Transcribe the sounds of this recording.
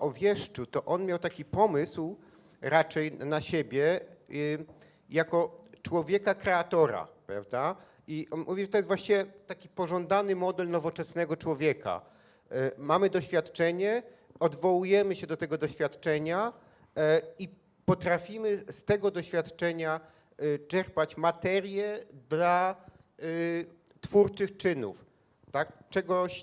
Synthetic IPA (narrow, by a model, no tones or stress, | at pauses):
ʔɔvʲjɛʂt͡ʂut̪ɔʔɔnmʲjawt̪akʲipɔmɘsw | ɾat͡ʂɛjnaɕebʲjɛ | jakɔt͡ʂwɔvʲjɛkakɾɛat̪ɔɾa̰pɾa̰vd̪a | iɔnmuvʲiʐɛt̪ɔjɛst̪vwaɕt͡ɕiɛt̪akʲipɔʐɔnd̪anɘmɔd̪ɛlnɔvɔt͡ʂɛsn̪ɛɡɔt͡ʂwɔvʲjɛka̰ | mamɘd̪ɔɕfʲjat̪t͡ʂɛɲɛ | ɔd̪vɔwujɛmɘɕɛd̪ɔt̪ɛɡɔd̪ɔɕfʲjat̪t͡ʂɛɲa | i | pɔt̪ɾafʲimɘst̪ɛɡɔd̪ɔɕfʲjat̪t͡ʂɛɲa | t͡ʂɛɾpat͡ɕmat̪ɛɾjɛd̪la | t̪fuɾt͡ʂɘxt͡ʂɘnṵf | t̪akt͡ʂɛɡɔɕ